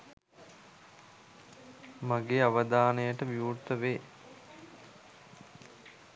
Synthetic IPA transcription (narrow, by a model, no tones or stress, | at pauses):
maɡeːaʋəd̪aːnejəʈəʋiurt̪əʋeː